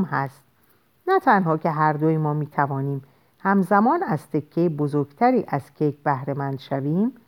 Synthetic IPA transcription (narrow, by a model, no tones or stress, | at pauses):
mhæst̪̚ | næt̪ʰænɦɒːcʰe̞ɦæɾd̪ojimɒːmiːt̪ʰævɒːniːm | hæmzæmɒːnæz̥t̪ʰe̞kʰːejebozoɾɡt̪ʰæɾiːʔæz̥cʰekbæhɾe̞mænd̪̥ʃæviːm